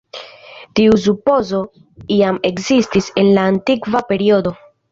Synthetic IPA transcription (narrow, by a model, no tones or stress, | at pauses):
tius̬upo̞zo̞ | iame̞kzistise̞nlaːntikvape̞ɾio̞do̞